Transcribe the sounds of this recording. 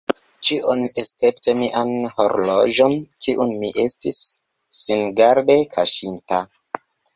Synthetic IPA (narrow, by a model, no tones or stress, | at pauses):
t͡ʃiʔoneste̞ptemiʔanho̞ɾlod͡ʒo̞nkiʔunmiʔe̞stisː | inɡaɾde̞kʰaʃinta